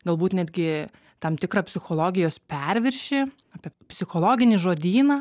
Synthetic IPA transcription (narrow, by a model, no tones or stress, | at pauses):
ɡɐlˠbuːt̪nʲæd̪ʲɡʲɪ | t̪ɐmt̪ʲɪkrɑpʲsʲɪxoːlˠoːɡʲɪjoːspʲɛɾʲʋʲɪɾʲʃʲɪ | ɑːpʲiɛpʲsʲɪxoːlˠoːɡʲɪnʲɪʒoːd̪ʲiːnɐː